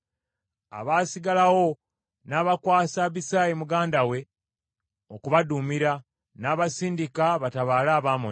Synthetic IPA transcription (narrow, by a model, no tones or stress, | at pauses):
a̰βaːsiɡalawo | naːβakwaːsaβisaːjimuɡaːndawe̞ | okuβadumiɾa | naːβasiːndikaβataβaːlaːβaːmo̰